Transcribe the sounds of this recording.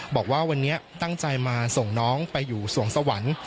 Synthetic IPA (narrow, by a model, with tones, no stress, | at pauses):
bɔː˨˩k̚waː˥˩wa˧nːi˦˥ɐt̪a˥˩ŋt͡ɕa˧jmaː˧so˨˩ŋnɔː˦˥ŋpa˧jːuː˨˩su˨˩˦əŋsa˧wa˩˦n